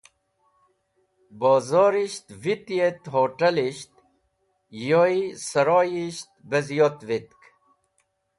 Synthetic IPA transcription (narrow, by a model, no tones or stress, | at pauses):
boːzoːɾiɕt̪vit̪jet̪ɦoːʈɐliɕt̪̚ | joisɐɾoːjiɕt̪̚bɐzijot̪ʋit̪k